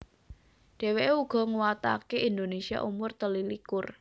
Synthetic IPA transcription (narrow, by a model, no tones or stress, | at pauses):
ɖ̥e̤weʔeuɡ̥ɔ̤ŋuwat̪a̰keʔind̪onesia̰ʔumʊrt̪əlilikʊr